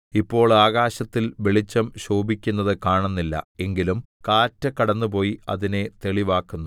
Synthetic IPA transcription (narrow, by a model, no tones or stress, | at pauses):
ipːo̞ːɭaːɣaːɕɐt̪ːilʋeɭit͡ɕːɐmɕoːbikʲːunːɐðɨkaːɳunːilːɐ̰e̞ŋɡilum | kaːtːɐkɐɽɐnːup̬o̞ːjiɐ̰ðine̞t̪e̞ɭiʋaːkːunːu